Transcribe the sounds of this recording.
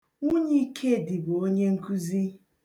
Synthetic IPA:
u˦ɲe˦i˦kʰe˦˨dɪ˨bʊ˨o˦ɲe˦ŋ̩˦ku˦zi˦

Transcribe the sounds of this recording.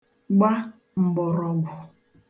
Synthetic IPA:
ɡ͡ba˦ | m̩˨ɡ͡bɔ˨ɾɔ˨ɡʷʊ˨

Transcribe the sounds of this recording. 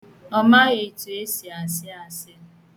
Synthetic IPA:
ɔ˦ma˦ɣe˨tu˨e˦si˨a˨sɪ˦a˨sɪ˦a˦

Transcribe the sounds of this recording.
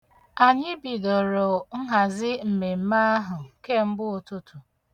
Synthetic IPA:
a˨ɲɪ˦bi˨do˨ɾo˨ŋ̩˦ɦa˨zɪ˦m̩˨me˨m̩˦ma˦a˦ɦʊ˨ke˦˨m̩˦bʊ˦o˨tʊ˦tʊ˨

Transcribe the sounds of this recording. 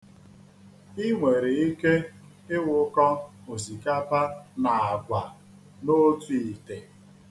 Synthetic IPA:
i˦ŋʷe˨ɾe˨i˦ke˦ | ɪ˦wʊ˦kɔ˦ | o˨zi˨ka˦pa˦na˨a˨ɡʷa˨ | no˦tu˨i˨te˨

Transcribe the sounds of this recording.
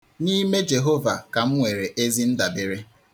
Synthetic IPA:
ni˦me˦d͡ʒe˨ɦo˦va̰˨ka˨m̩˦ŋʷe˨ɾe˨ʔe˦zi˦n̩˦da˨be˨ɾe˦

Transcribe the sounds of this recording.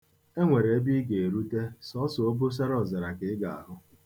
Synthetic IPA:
e˦ŋʷe˨ɾe˨e˦bi˦ɡe˨e˨ɾu˦te˦sɔ˦sʊ˨o˦bʊ˦s̬a˦ɾɔ˨zɪ˨ɾa˨kɪ˦ɡa˨a̰˨ɦʊ˦

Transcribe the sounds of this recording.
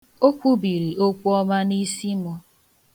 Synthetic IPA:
o˦kʷu˦bi˨ɾi˨o˦kʷu˦ɔ˦ma˦ni˦si˦mɔ˦

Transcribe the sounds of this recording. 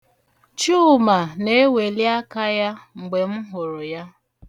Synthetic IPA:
t͡ʃu˦˨ma˨ne˦we˨lja˦ka˦ja˦ŋ͡m̩˨ɡ͡be˨m̩˦ɦʊ˨ɾʊ˨ja˦

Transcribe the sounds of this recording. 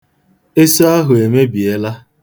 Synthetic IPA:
e˦so˦a˦ɦʊ˨e˨me˦bi˨e˦la˦

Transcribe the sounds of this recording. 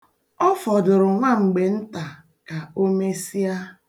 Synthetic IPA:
ɔ˦fɔ˨dʊ˨ɾʊ˨ŋʷa˦˨ŋ͡m̩˨ɡ͡be˨n̩˦ta˨ | ka˨o˦me˦si˦a˦

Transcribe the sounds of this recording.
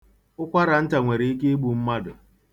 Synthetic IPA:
ʊ˦kʷa˦ɾa˨n̩˦ta˨ŋʷe˨ɾe˨i˦k̬e˦ɡ͡bu˨m̩˦ma˦dʊ˨

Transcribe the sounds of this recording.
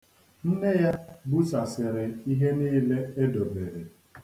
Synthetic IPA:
n̩˦ne˦ja˦bu˦sa˨sɪ˨ɾɪ˨i˦ɦe˦niː˦le˦e˦do˨be˨ɾe˨

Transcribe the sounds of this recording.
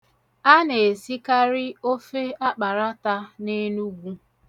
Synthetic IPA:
a˦ne˨si˦ka˦ɾɪ˦o˦fe˦a˦k͡pa˨ɾa˦ta˦ne˦nu˦ɡʷu˦

